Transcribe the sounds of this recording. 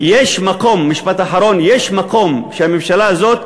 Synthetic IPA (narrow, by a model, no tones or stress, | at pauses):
jeʃmako̞mːiʃpat̪aħaɾo̞njeʃmako̞mʃeamimʃalaazo̞t̪